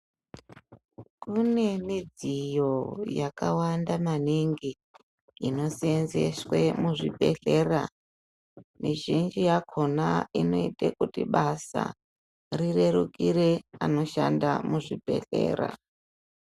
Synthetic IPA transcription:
kune̞mid͡zijo̞jakawandamaniŋɡiː | no̞senzḛswemuʐibʱe̞ɬe̞ra | miʒind͡ʒijakʰo̞naino̞itakutiɓasa̰ | rire̞ɾukʼiɾeano̞ʃandamuʐibʱe̞̰ɬḛːɾa̰

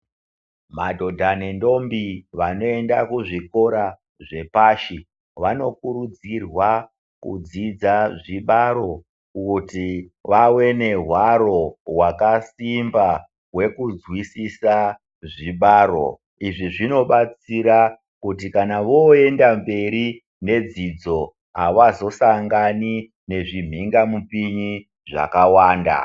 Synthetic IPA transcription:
madʱo̞dʱanendo̞mbiʋano̞e̞ndakuʐiko̞ɾa | ʐe̞paːʃi | ʋano̞kuɾud͡zirwa | kṵd͡zid͡zaʐiɓaɾo̞ | kutiʋawe̞ne̞ɦwaɾo̞wakasimba | we̞kud͡zwisisa | ʐiɓaːɾo̞̰ | iʐiʐino̞ɓat͡siɾa | kut̬ikanaʋo̞e̞ndambe̞ɾi | ne̞d͡zid͡zo̞ | ɦaʋazo̞saŋɡani | ne̞ʐim̤iŋɡamupiɲi | ʐa̰kawaːnda̰

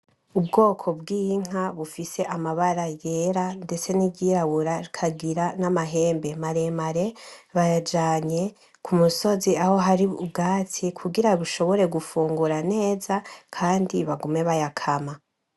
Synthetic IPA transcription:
ubɡo̞ːkʰo̞bɡiːŋ̥aβufise̞ʔamaβaɾaje̞ːɾande̞t͡se̞nibɟiːɾaβuɾaɾikʰaɡiɾanamaɦe̞ːmbe̞maɾe̞maɾe̞βajad͡ʒaːɲe̞ | kʰumuso̞ziaho̞ɦaɾiub̚ɡaːtʰikʰuɡiɾaβuʃo̞βo̞ɾe̞ɡufuːŋɡuɾane̞ːzakʰaːndiβaɡume̞βajakʰama

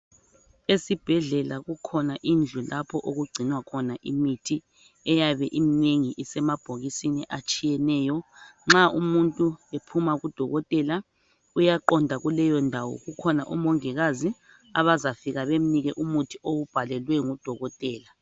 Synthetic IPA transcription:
esib̥ʱɛɮɛlaɣukʰɔnaʔind͡ɮʱulapʰɔʔoɣuɡ͡ǀʱinwakʰɔnaʔimitʰi | ɛjaβɛʔimineŋiʔisɛmab̥ʱoɣisiniʔat͡ʃʼijɛnɛːjɔŋ͡ǁaumuntʼuepʰumaɣud̥ʱɔɣɔtʼɛla | ujaǃɔndʱaɣulɛjɔndʱawɔ̰ɣukʰɔna̰ʔṵmɔŋɛɣazi | a̰βazafiɣaβem̩niɣɛʔumutʰioɣub̥ʱalɛlwɛŋud̥ʱɔɣɔtʼɛːla

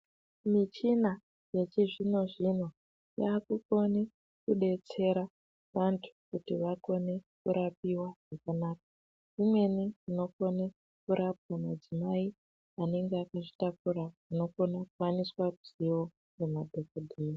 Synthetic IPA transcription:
mit͡ʃina | je̞t͡ʃiʐino̞ʐino̞ | jaːkuko̞ne | kuɗe̞t͡se̞ɾa | ʋantʰu̥kutiʋako̞ne̞kuɾapiwaʐ̥akanaːk̚ḁ | imwe̞niino̞ko̞ne | kuɾʔap̚wamad͡zimai | ane̞ŋɡeakaʐitakuɾauno̞ko̞nakuwaniswauziwo̞ | nemadʱo̞kodʱeːri

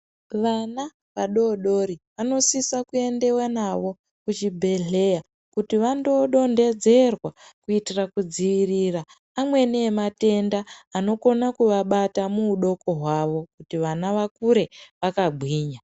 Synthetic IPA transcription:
ʋana | ʋaɗo̞ɗo̞ɾiʋano̞sisakue̞nde̞wanaʋo̞ | kut͡ʃibʱe̞ɮe̞ja | kutiʋando̞ɗo̞nde̞d͡ze̞rwakuitirakud͡ziʋiriraː | mwe̞nemate̞ndaːno̞ko̞nakuʋaɓatamuːɗo̞ko̞ɦwaʋo̞kutiʋanaʋakuɾe̞ʋakaɡʱwiːɲa

